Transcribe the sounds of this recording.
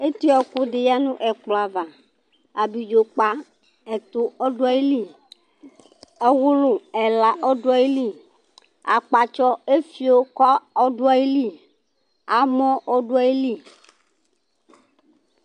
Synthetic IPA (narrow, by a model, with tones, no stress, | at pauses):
e˦t̪i˦ɔ˨ko˦ɖe˨ja˦nũ˦ʔɛ˨k͡plo˨a˨va˨ | a˨bi˨d͡ʒo˨k͡pa˦ | ɛ˨t̪o˦ɔ˦ɖo˦a˦e˦li˦ | ɛ˦wʊ˦lo˨ɛ˨la˨ʔɔ˦do˦a˦e˦li˦˨ | a˨k͡pa˨t͡ʃɔ˦e˦fi˨˦o˦kɔ˦ɔ˦ɖo˦a˦e˦li˦ | a˨mɔ̃˦ʔɔ˦ɖo˦a˦e˦li˦˨